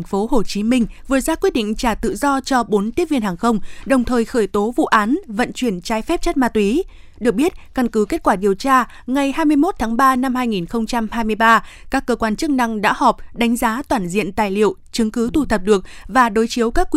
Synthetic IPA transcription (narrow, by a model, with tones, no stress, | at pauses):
ŋfo˨˦ɦo˨˩t͡ɕi˨˦mï˧ŋ̟vɨ˨˩əzaː˧kwi˦˥t̚ɗḭ˧˨ŋ̟t͡ɕaː˧˩t̪ɨ̰˧˨zɔ˧t͡ɕɔ˧ɓo˨˦nt̪i˦˥əvi˧ənɦaː˨˩ŋxə˧wŋ͡mɗə˨˩wŋ͡mt̪ʰəː˨˩jxəː˧˩jt̪o˨˦vṵ˧˨ʔaː˨˦nvə̰˧˨nt͡ɕwi˧˩ənt͡ɕaː˨˧jfɛ˦˥p̚t͡ɕt̚maː˧t̪wi˨˦ | ɗɨ˨˩ək̚ɓi˦˥ət̚kə˧nkɨ˨˦ke˦˥t̚kwaː˧˩ɗi˨˩əwt͡ɕaː˧ | ŋa˨˩jhaː˧jmɨ˧əjmo˦˥t̚t̪ʰaː˨˦ŋɓaː˧na˧mhaː˧jŋi˨˩nxə˧wŋ͡mt͡ɕa˧mhaː˧jmɨ˧əjɓaː˧kaː˦˥kːəː˧kwaː˧nt͡ɕɨ˦˥k̚na˧ŋɗa̰ː˧˥hɔ˨˩p̚ɗa˨˦jŋ̟zaː˨˦t̪waː˧˩nzḭ˧˨ənt̪aː˨˩jlḭ˧˨ə˨wt͡ɕɨ˨˦ŋkɨ˨˦t̪ʰu˧˩t̪ʰə˨˩p̚ɗɨ˨˩ək̚vaː˨˩ɗo˨˦jt͡ɕi˨˦əwkaː˦˥kː